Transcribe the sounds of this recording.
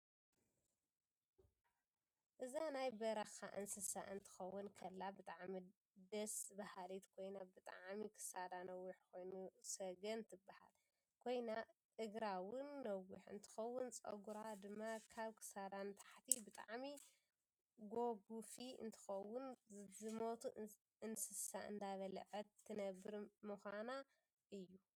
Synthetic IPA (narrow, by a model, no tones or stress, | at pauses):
ʔɨzanajbɐɾɐxa̰ʔɨ̰nsɨsa̰ʔɨnt̪ʰɨ̥xɐwːʊnkʰɐlːabɨt̪ʼaʕmi | d̪ɐsbahalit̪kʰo̞jnabɨt̪ʼa̰ʕmikʰɨ̥sad̪anɐwːiħkʰo̞jnusɐɡɐnt̪ʰɨbːaha̰l | kʰo̞jna | ɨɡɾawʊnːɐwːiħɨ̰nt̪ʰɨ̥xɐwːʊnt͡sʼɐ̰ɡuɾad̪ɨmːakʰaβkʰɨ̥sad̪anɨt̪ʰḁħt̪ʰibɨt̪ʼa̰ʕmi | ɡo̞ɡufiɨ̰nt̪ʰɨ̥xɐwːʊnzɨmo̞t̪ʰu | ɨnsɨsaʔɨ̰nd̪aβɐl̰ʕɨt̪ʰːɨnɐbːɨɾmuxʷana | ʔɨjːu